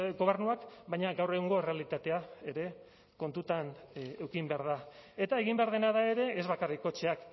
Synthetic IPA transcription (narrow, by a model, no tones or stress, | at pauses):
ɡo̞β̞e̞ɾnuakbajɲaɣawre̞ɣoŋɡo̞ere̞alit̪at̪e̞ae̞ɾe̞ | ko̞nt̪ut̪anewkimbe̞aɾðae̞t̪ae̞ɣimbeaɾð̞e̞naðae̞ɾe̞ːzβakariko̞t͡ʃe̞ak